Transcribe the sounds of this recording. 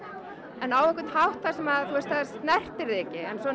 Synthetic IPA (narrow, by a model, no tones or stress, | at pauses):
ɛnawɛhkʏt̪hawht̪θaɾ̥sɛmaðθuɛst̪haðast̪nɛr̥t̪ɪɾɪːcɪɛnsɔ